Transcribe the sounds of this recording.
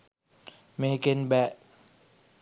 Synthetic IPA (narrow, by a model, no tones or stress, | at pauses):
mekenbɛʔ